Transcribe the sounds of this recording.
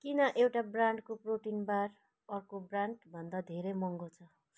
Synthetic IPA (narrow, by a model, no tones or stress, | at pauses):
kinʌʔewʈabraɳɖkoproʈinbar | ʌrkobraɳɖbʱʌnd̪ad̪ʱeɾʌjmʌŋɡot͡sʰʌ